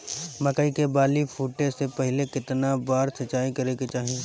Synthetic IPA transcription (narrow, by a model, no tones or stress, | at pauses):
mɐkəikebaːlifʰuːʈesepɛɦlekɪt̪nabaːɾsɐt͡ʃaːikɐɾeket͡ʃaːɦĩ